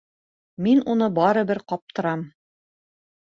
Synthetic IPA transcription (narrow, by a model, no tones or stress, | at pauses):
minunɤbɒɾɤ̆bɘɾqɒp̚t̪ɤ̆ɾɑm